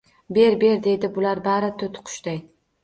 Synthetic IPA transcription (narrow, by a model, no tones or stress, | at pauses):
be̞ɾbe̞ɾd̪e̞jd̪ɪbʊlaɾbaɾɪt̪ʰʊt̪ʰqʰʊ̥ʃt̪aj